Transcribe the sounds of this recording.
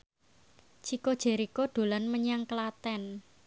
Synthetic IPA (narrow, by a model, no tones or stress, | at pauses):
t͡ʃʰikod̥ʒ̥e̤ɾikoɖ̪̥o̤lanməɲaŋkəlat̪ɛn